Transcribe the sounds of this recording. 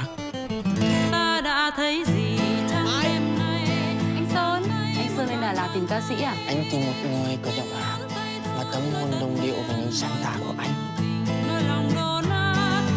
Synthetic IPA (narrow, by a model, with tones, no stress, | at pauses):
t̪aː˧ɗa̰ː˧˥t̪ʰə˨˦jzi˨˩t͡ɕɔ˧ŋ͡mʔɛ˧mna˨˧˩jʔa˨˦jŋ̟t̪o˧nʔa˨˧˦jŋ̟sɨ˧ŋə˧jŋlaː˨˩laː˨˩t̪ï˨˩ŋ̟kaː˧sḭ˧˥aː˨˩ʔa˧jŋ̟t͡ɕʊ˧ŋ͡mmə˨˩k̚ŋŋi˧jkə˧˩zə̰˧˨mʔaː˨˩ | maː˨˩t̪ə˨˦ŋ͡mhə˧nɗə˨˩wŋ͡mɗḭ˧˨ə˨wva˨˩ɲɨ̰˧˦ŋsaː˧ŋt̪aː˧˩ku˧˩əʔa˧jŋ̟ | nə˧˦jla˨˩wŋ͡mɗo˧˩naː˧˦